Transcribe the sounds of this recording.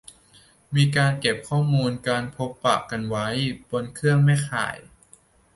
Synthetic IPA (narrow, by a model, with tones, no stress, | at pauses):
miː˧kaː˧nke˨˩p̚kʰɔː˥˩muː˧nkaː˧npʰo˦˥pːa̰˨˩kːa˧nwa˦˥jb̥o˧nkʰɯ˥˩əŋma˥˩jxʰa̰ː˨˩˦j